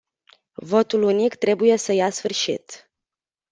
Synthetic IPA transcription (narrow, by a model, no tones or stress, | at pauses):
vo̞t̪ulunikt̪ɾe̞buje̞səjasfɨrʃḭt̪